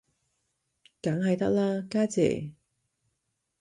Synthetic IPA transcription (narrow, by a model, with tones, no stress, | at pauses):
kɐ˨˥ŋhɐ˨jt̪ɐ˥k̚laː˥kaː˥t͡sɛ̰ː˨˩